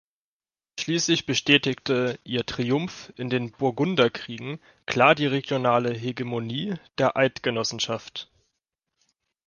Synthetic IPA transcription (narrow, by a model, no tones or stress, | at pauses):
ʃliːslɪçb̥əʃtɛːtɪktəʔiːɐtʁ̥iʊmfɪndeːnbʊɐɡʊndɐkʁ̥iːɡŋ̩ | kl̥aːɐdiːʁeɡjonaːləɦeɡemoniːd̥eːɐʔaɪtɡ̥ənɔsn̩ʃaft